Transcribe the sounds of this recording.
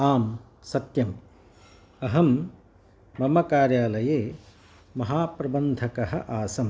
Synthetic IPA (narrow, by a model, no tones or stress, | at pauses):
aːm | sɐt̪jɐm | ɐɦɐmː | ɐmɐkaːɾjaːlɐjeː | mɐɦaːpɾɐbɐnd̪ʱɐkɐɦɐʔaːsɐm